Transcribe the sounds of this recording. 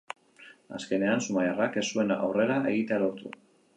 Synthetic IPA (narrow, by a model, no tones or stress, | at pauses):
a̰ske̞ne̞ansumajarake̞sue̞na̰wre̞ɾaʔe̞̰ɣit̪ealo̞ɾt̪ṵ